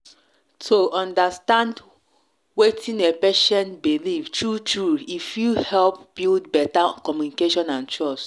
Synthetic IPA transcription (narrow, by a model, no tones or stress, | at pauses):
tʰoʔɔ̃ndastãnd | wetʰĩnepɛʃɛ̃ntbilivtʰɹutɹuifjuhɛlp̚b̥ildbɛtakɔmjunikeʃɔ̃nãnt͡ʃɹɔs